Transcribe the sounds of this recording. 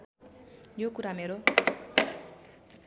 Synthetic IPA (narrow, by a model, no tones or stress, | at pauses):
jokuɾameɾo